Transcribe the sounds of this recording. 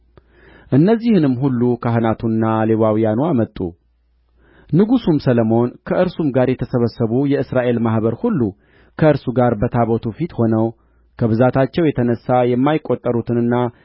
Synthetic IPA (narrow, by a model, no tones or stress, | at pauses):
ʔɨnːəzːihɨnɨmɦulːukʰaɦɨnat̪ʰunːale̞wawijanuamət̪ʼṵ | nɨɡusumsələmo̞nkʰəʔɨɾsumɡaɾjɛt̪ʰəsəβəsːəβujɛɨsɾaʔe̞lmahbəɾhulːu | kʰəɨɾsuɡaɾbət̪ʰaβot̪ʰufit̪ho̞nəw | kʰəβɨzat̪ʰat͡ʃːɛwjɛt̪ʰənəsːajɛmːajɪkʼo̞t̪ʼːəɾut̪ʰɨnɨnːa